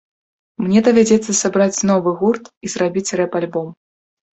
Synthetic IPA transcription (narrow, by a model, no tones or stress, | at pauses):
mnʲɛd̪ɐvʲad͡zʲɛt̪sːɐsabɾat͡sʲnɔvɨɣurt̪izrabʲit͡sʲrɛpalʲbɔm